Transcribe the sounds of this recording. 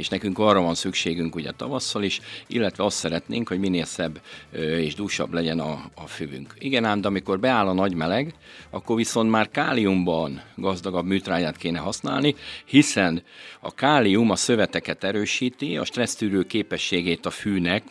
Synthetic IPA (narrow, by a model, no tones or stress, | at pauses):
eːʃnɛkyŋkɒːrɒvɒnsykʃeːɡyŋkuɟɛ̰t̪ɒvɒsːɒliʃʔḭlːɛt̪ʋɛɒst̪sɛɾɛt̪neːŋkho̞ɟmineːlsɛbːeːʒd̪uːʃɒ̰blɛɟɛnɒːfyvy̰ŋkiɡɛnaːnd̪ɛɒmiko̞rbɛaːlɒnɒɟmɛlɛɡɒkːo̞rʋiso̞nt̪maːrkaːliumbɒnɡɒzd̪ɒɡɒbmyːt̪raːjaːt̪keːnɛɦɒsna̰ːlnihisɛnɒ̰kaːliumɒsøvɛt̪ɛkɛt̪ɛɾøːʃiːt̪iɒ̰ʃt̪rɛst̪yːɾøːkeːpɛʃːeːɡeːt̪ɒfyːnɛk